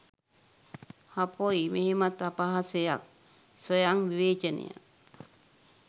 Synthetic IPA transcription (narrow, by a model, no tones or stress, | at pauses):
hapojimeɦemat̪apaɦasejak̚ | sojaŋʋiʋeːt͡ʃenḭja̰